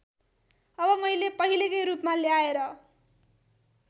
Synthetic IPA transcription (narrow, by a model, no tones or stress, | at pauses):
ʌbʌmʌjlepʌɦilekʌjɾupmaleaeɾʌ